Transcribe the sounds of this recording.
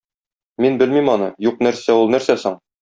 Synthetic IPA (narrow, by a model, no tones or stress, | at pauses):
minbɘ̆lmimɒnɤjuq̚næɾsæulˠnæɾsæsɤɴ